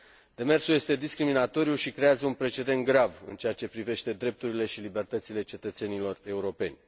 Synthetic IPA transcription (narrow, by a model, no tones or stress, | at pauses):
d̪̥e̞me̞rsuje̞st̪e̞d̪iskɾiminat̪o̞ɾjuʃikɾe̞azəunpɾe̞t͡ʃe̞d̪e̞nt̪̚ɡɾavɨ̰nt͡ʃeat͡ʃe̞pɾive̞ʃt̪e̞d̪ɾe̞p̚t̪uɾile̞ʃilibe̞rt̪ət̪sile̞t͡ʃe̞t̪ət̪se̞nilo̞re̞uɾo̞pe̞nʲ